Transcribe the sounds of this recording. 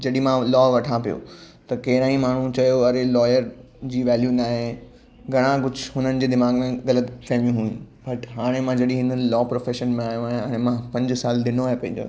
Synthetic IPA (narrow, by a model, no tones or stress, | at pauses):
d͡ʑɐɗimãlɔːʋɐʈʰãpijo̰ | t̪ɐkɐɦɪɾaːĩmaːɳ̤ũt͡ɕɐjoɐɾelɔːjəɾ | d͡ʑiːʋɛːljunaːɦe | ɡʱɐɽ̃ãɡʊd͡ʑʱɦʊnənɪ̆d͡ʑeːd̪ɪmaːɡmẽɣɐlət̪kɐmijũɦũːũ | bɐʈɦaːɽ̃emãd͡ʑɐɗĩɦɪnlɔːpɾoːfeːʃənmẽaːjũaːɦɛ̃ːñmãpɐ̃ɲd͡ʑsaːld̪ɪnoaːɦepɐ̃ɦɪ̃ɲd͡ʑo̰ː